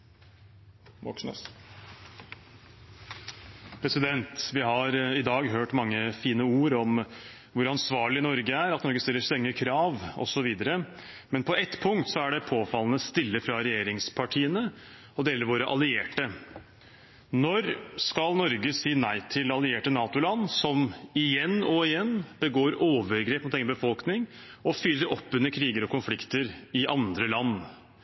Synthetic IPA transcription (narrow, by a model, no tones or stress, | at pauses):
mɔk | pʰɾɛsɪd̪ɛnt̪ʋɪɦɑɾɪd̪ɑːɡɦøːʈmɑŋːəfiːnəuːɾɔm | ʋʊɾɑnsʋɑːɭɪnɔɾɡəæɾɑt̪nɔɾɡəst̪ɪlːəst̪ɛŋːəkʰɾɑːʋɔ̰sɔʋiːd̪əɾə | mɛnpʰɔʔɛt̪pʰʊŋkt̪sɔæɖɛpʰoːfɑlːənəst̪ɪlːəfɾɑɾɛjeːɾɪŋspʰɑʈʰiːənə | ɔd̪eːləɾʋoːɾəʔɑlɪeːʈə | nɔɾskɑlnɔɾɡəsiːnæɪt̪ʰɪlɑlɪeːʈənɑːt̪ʊlɑnːsɔmɪjɛnɔɪjɛnːb̥əɡoːɾoːʋəɾɡɾeːpmʊt̪eːɡənəbəfɔlknɪŋ | ɔfʏlːəɾɔpːʉnːəɾkʰɾiːɡəɾɔkʊnflɪkt̪əɾɪʔɑnd̪ɾəlɑnː